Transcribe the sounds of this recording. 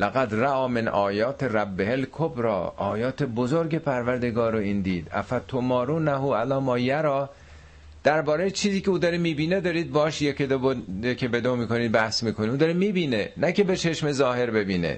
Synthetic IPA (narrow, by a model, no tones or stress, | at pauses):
læɣæd̪ræʔɒːmenɒːjɒːt̪ʰeræbːehelkʰobɾɒ̰ːɒːjɒːt̪ʰebozoɾɡe̞pʰæɾvæɾd̪e̞ɡɒːɾoiːnd̪iːd̪æ̰fæt̪ʰːomɒːɾuːnæɦuælɒːmɒːjæɾɒː | d̪̥æɾbɒːɾejet͡ʃʰiːziːceuːd̪ɒːɾemiːbiːned̪ɒːɾiːd̪̚bɒːʃjekʰed̪bekʰebed̪omiːkoniːd̪̚bæhsmiːkʰoniuːd̪ɒːɾemiːbiːnenæce̞be̞t͡ʃʰeʃme̞zɒːhe̞ɾbe̞biːnḛ